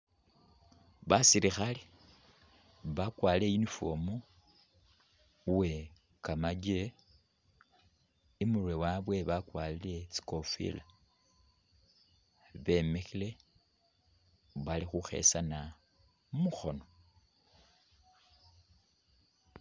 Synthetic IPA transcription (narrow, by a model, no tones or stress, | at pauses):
βasiɾixale | βakwaːlejinifo̞̰mo | we̞ | kamaɟe | imurwewaβwe̞βakwalile̞t͡si̥ko̞fḭla | βe̞mexile̞ | βalixuxe̞̰sana | muxo̞no̞